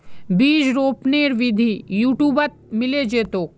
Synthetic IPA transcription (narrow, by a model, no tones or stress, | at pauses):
biːd͡ʒɾoːpneːɾʋɪd̪ʱijuːʈjuːbət̪̚mɪled͡ʒeːt̪oː